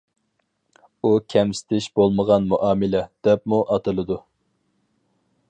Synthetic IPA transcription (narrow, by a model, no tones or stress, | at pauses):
ukʲʰɛmsɪ̥t̪ʰɪʃbolˠməʁɑnmuʔɑːmɪlɛd̪̥ɛpmuʔɑt̪ʰɨlˠɨd̪u